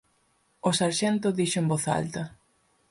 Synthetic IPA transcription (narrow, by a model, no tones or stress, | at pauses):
osaɾʃɛnt̪ʊðiʃʊembɔθa̰lt̪ɐ